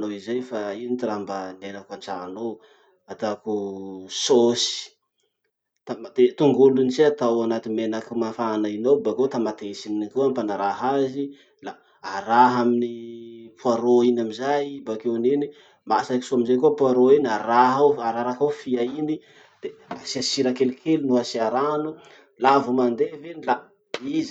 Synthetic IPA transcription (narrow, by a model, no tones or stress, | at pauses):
noizajfainit̪iɾambənenakant͡sano | at̪akusosi̥ | t̪amat̪et̪uŋɡulunit͡siat̪awanat̪imenakimafanainowbakot̪amat̪esininikeampanaɾaɦazi | la | aɾaɦaminipuaɾoinamizajbakewneni | masaki̥soamizajkuapuaɾoinaɾaɦawaɾaɾakawfiaini | d̪̥easiasiɾakelikʰelunuasiaɾanu | lavumand̪evenila | iz